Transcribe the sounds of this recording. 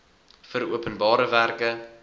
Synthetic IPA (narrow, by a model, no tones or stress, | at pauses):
fəɾuəpənbɑːɾəværkə